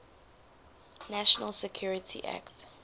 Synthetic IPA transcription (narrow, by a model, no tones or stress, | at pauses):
næʃɔnəlsɛkʰjuɹitʰḭʔa̰kt